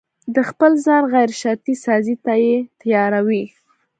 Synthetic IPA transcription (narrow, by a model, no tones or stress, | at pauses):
d̪əxpəlzɑnɣajɾʃaɾt̪isɑzit̪ajet̪ajɑɾawi